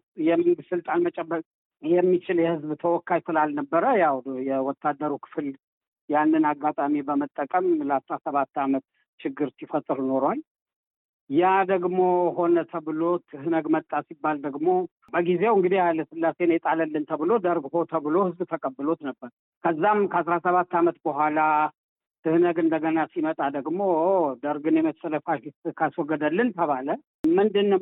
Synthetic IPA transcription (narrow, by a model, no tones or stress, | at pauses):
jɛmɨnɡɨsɨlt̪ʼanmət͡ʃʼɛbə | jɛmːit͡ʃɪljɛhɨzbt̪ʰəwɔkːajsɨlalnəbːəɾəjawjɛwɔt̪ʰːad̪ːəɾukʰɨ̥fl | janːɨnaɡːat̪ʼamibəmət̪ʼːəkʼəmləasɾasəβat̪ːamət̪ | t͡ʃɪɡːɨɾsifət̪ʼɨɾno̞ɾwal | jad̪əɡmo̞ɦo̞nət̪ʰəβɨlo̞t̪ʰɨhɨnəɡmət̪ʼːasibːald̪əɡmo̞ | bəɡizewɨŋɡɨd̪ihalːəsɨlːase̞njɛt̪ʼaləlːɨnt̪ʰəβɨlo̞d̪əɾɡhot̪ʰəβɨlo̞hɨzkt̪ʰəkʼəbːɨlo̞t̪nəbːəɾ | kʰəzːamkʰəasɾasəβat̪ːamət̪bəɦʷala | t̪ʰɨhnəɡɨnd̪əɡənasimət̪ʼad̪əɡmo̞d̪əɾɡɨnjɛməsələfaɨskʰaswɔɡəd̪əlːɨnt̪ʰəβalə | mɨnd̪ɨnːə